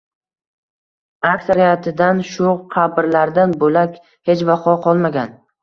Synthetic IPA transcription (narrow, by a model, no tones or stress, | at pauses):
aksaɾijat̪ʰɪd̪anʃʊqʰɑbɪɾlaɾd̪anbolakʲ | he̞t͡ʃvafɒqʰɒlˠmaɡʲan